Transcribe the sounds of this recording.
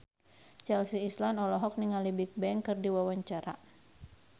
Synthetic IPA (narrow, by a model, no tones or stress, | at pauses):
t͡ʃɛlsiːslanɔlɔɦɔk̚niŋalibik̚bɛŋkɨrdiwawaɲt͡ʃaɾa